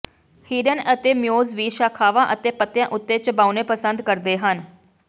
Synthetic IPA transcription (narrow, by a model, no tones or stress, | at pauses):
hiːɖənət̪eːmɪjoːzʋiːʃaːkʰaːʋãːʔət̪eːpət̪jãːʔʊt̪ːeːt͡ʃbaːuneːpəsənd̪kəɾd̪eːɦən